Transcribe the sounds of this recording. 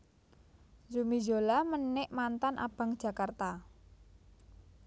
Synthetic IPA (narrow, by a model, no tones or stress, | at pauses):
zumizolamənːɪʔmant̪anʔa̰b̥a̤ŋd̥ʒ̥a̤kart̪a